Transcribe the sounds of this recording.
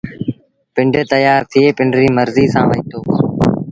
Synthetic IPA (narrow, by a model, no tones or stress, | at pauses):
pɪɳɖʱeːt̪əjaːɾt̪ʰieːpɪɳɖɾiːməɾziːsãːʋə̃ɪt̪oː